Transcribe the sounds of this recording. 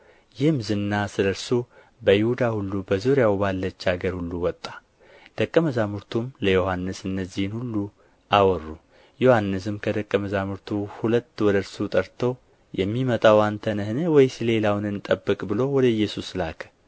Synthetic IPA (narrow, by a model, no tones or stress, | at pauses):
jɪhmzɨnːasɨləɾsu | bəjɪhud̪ahulːubəzuɾjawbalːət͡ʃːaɡəɾhulːuwɔt̪ʼːḁ | d̪̥əkʼːəməzamuɾt̪ʰumləjo̞hanːɨsɨnːəzːihɨnhulːu | ʔawɔrːu | johanːɨs̬ɨmkʰəd̪əkʼːəməzamuɾt̪ʰuhulət̪ːwɔd̪əɾsut̪ʼəɾt̪ʰow | jɛmːimət̪ʼawant̪ʰənɨhɨnɨwɔjsɨle̞lawnɨnt̪ʼəbːɨkʼbɨlo̞wɔd̪əɨjːɛsuslakʰə̥